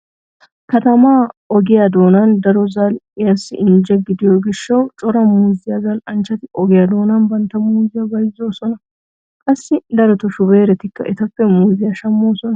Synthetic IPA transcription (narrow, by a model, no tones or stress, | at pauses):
kɐt̪ɐmaːɔɡɪjad̪o̞ːnɐnd̪ɐɾɔzɐlɪjɐsːɪ̰ʔɪnd͡ʒɛɡɪd̪ɪjoːɡɪʃːɐwt͡ʃʼɔɾɐmuːzɪjazɐlɐnt͡ʃːɐt̪ɪʔɔɡɪjad̪o̞ːnɐnbɐnt̪ɐmuːzɪjabɐjzːo̞ːsɔnɐ | kʼɐsːɪd̪ɐɾɔt̪ɔʃʊbeːɾɛt̪ɪkːɐ̰ʔɛt̪ɐfːɛmuːzɪjɐʃɐmːo̞ːsɔnɐ